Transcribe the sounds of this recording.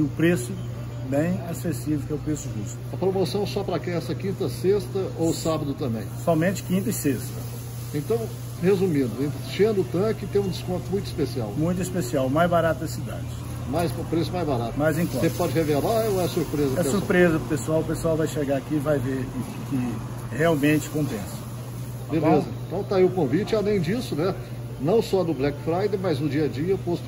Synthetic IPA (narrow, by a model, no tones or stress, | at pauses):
ɪʊpɾesʊ | bẽj̃asesivɪkɛʊpɾesʊʒust̪ʊɐpɾomosɐ̃w̃sɔpɾɐkɛ̃ɛsɐkĩnt̪ɐsest̪ɐowsabɐd̪ʊt̪ɐ̃mbḛ̃j̃sɔmẽt͡ʃɪ̥kĩnt̪ɐɪsest̪ɐ | ẽt̪ɐ̃w̃ | hezumĩd̪ʊẽt̪ʃɐ̃nd̪ʊt̪ɐ̃kɪt̪ẽj̃ũd͡ʒ̪ɪskõt̪ʊmũj̃t̪i̥spesia̰wmũj̃t̪ʊispesiawmajzbaɾat̪ʊd̪ɐsid̪a̰d͡ʒɪ | majzpɾesʊmajzbaɾat̪ʊmɐzẽkõsepɔd͡ʒɪhevelaoɛɐsuɾpɾezɐɛsuɾpɾezɐpesuawpesuawvajʃeɡaakivajveɾ | kɪ | heawmẽt͡ʃɪ̥kõpẽsɐ̥ | bellezɐẽt̪ɐ̃w̃t̪aiʊkõvit͡ʃɪalẽj̃d͡ʒisʊnɛ | nɐ̃w̃sɔnʊblɛkfɾajd̪emɐznʊd͡ʒiɐd͡ʒiɐpost̪ʊ̥